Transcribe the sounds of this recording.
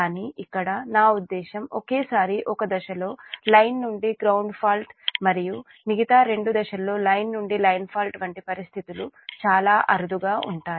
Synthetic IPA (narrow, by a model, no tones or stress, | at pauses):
kaːniːʔikːɐɽɐnaːud̪ːɛːʃɐmɔkeːsaːɾiʔɔkɐd̪ɐʃɐlo̞ːlɐjnːuɳɖiɡɾɐwɳɖpʰaːlʈmɐɾiju | miɡit̪aːɾe̞ɳɖud̪ɐʃɐlo̞ːlɐjnːuɳɖilɐjnpʰaːlʈʋɐɳʈipɐɾist̪ʰit̪ulut͡ʃaːlaːʔɐɾud̪uɡaːʔuɳʈaːɾi